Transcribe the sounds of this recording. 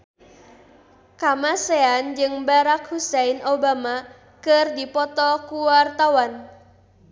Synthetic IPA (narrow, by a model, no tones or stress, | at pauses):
kamaseand͡ʒɨŋbaɾak̚husɛinobama | kɨrdipɔt̪ɔkuwart̪awan